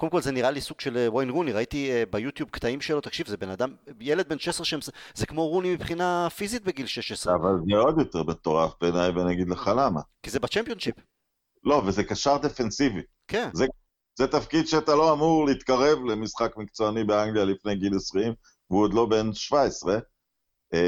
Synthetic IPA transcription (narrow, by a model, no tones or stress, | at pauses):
kodemkolzeniʁalisuɡ̥ʃelewojnʁuniʁait̪ibajut̪jub̚kt̪aimʃelo̞t̪akʃivzebenad̪amjele̞d̪̚be̞nʃesʁeʃeemszekmo̞ʁunimipχinafizit̪̚beɡilʃeʃesʁavalzeo̞d̪jo̞t̪eʁbet̪o̞ʁafbenajvenaɡid̪leχalama̰kizebat͡ʃempjonʃip | lo̞vezekaʃaʁd̪efensivi | kʰenze | z̥et̪afkid̪ʃeat̪aloamuʁleit̪kaʁe̞vlemisχakmikt͡soanibeaŋɡlijalifne̞jɡilesʁeim | vuod̪lo̞be̞nʃvaesʁe